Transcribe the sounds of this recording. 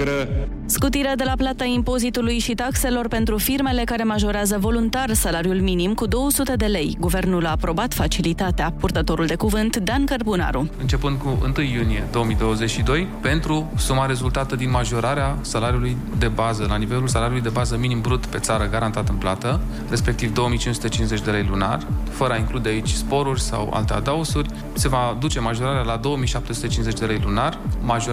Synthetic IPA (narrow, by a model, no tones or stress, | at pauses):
ɾə | skut̪iɾed̪e̞laplat̪aimpo̞zit̪ulujʃit̪akse̞lo̞rpe̞nt̪ɾufirme̞le̞kaɾe̞maʒo̞ɾeazəvo̞lunt̪arsalaɾjulminimkud̪o̞wəsut̪e̞d̪e̞le̞jɡuve̞rnulaːpɾo̞bat̪fat͡ʃilit̪at̪eapurt̪ət̪o̞ɾuld̪e̞kuvɨnt̪d̪ankərbuna̰ɾuɨnt͡ʃe̞pɨnd̪̚kuɨ̰nt̪ɨjːunije̞d̪o̞omijd̪o̞wəze̞t͡ʃʃid̪o̞jpe̞nt̪ɾusumaɾe̞zult̪at̪əd̪inmaʒo̞ɾaɾeasalaɾiuluj | d̪e̞bazəlanive̞lulsalaɾiulujd̪e̞bazəminimbɾut̪pe̞t̪saɾəɡaɾant̪at̪ɨnplat̪ə | re̞spe̞k̚t̪ivd̪o̞omijt͡ʃinsut̪e̞t͡ʃinsze̞t͡ʃʲd̪e̞lejluna̰rʲfəɾəaiŋklud̪e̞ait͡ʃʲspo̞ɾurʲsa̰wa̰lt̪ea̰d̪ausurʲ | se̞vad̪ut͡ʃe̞maʒo̞ɾaɾealad̪o̞oəmijʃap̚t̪e̞sut̪e̞t͡ʃinze̞t͡ʃd̪e̞lejlunarmaʒo